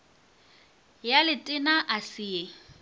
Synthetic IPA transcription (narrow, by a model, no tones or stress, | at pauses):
jalɪtʼɪnaʔasɪːe